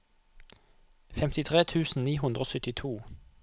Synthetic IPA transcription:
fɛmt̪ɪt̪ʰʁeːt̪ʰʉːsn̩niːɦʉnd̪ʁoːsʏt̪ɪt̪ʰuː

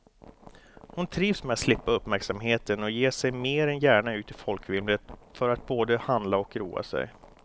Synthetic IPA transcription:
hʊnt̪ʰɾiːvsmɛːat̪slɪpːaɵpːmæɾksamɦeːt̪ənɔjeːʂɛjmeːɾɛnjæːɳaʉ̟ːt̪ɪlfɔlkvɪmlət̪fœɾat̪̚boːd̪əhand̪laɔkɾṵːa̰sɛ̰j

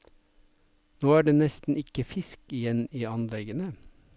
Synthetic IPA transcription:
noːæːɖeːnɛst̪n̩ɪkəfɪskɪjɛniːɑnlɛɡənə

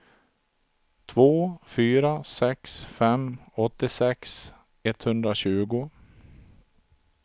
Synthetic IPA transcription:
t̪ʰvoːfyːɾasɛksfɛmɔt̪ːɪsɛks | ɛt̪hɵnd̪ɾaɕʉ̟ːɡʊ

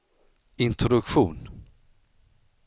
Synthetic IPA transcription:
ɪnt̪ʰɾɔd̪ɵkɧuːn

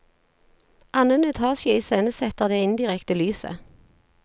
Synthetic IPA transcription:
ʔɑnənɛt̪ʰɑːsjəiːseːnəsɛt̪əʁd̪eːɪnd̪ɪʁɛkt̪əlyːsə̰

